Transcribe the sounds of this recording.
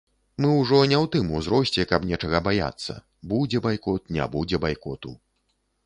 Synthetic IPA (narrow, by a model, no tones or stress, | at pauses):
mɨwʐɔnʲɛwt̪ɨmuzɾɔsʲt͡sʲɛkɐbnʲɛt͡ʂɐɣɐbaja̰t̪sːɐ̰ | bud͡zʲɛbajkɔt̪̚nʲa̰bud͡zʲɛbajkɔt̪u